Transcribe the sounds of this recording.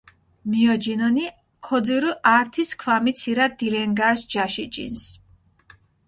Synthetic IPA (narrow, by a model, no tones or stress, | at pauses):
miɔd͡ʒinɔni | kʰɔd̪ziɾuʔaɾt̪ʰiskʰwamit̪sʰiɾad̪ilɛŋɡaɾsd͡ʒaʃit͡ʃʼḭns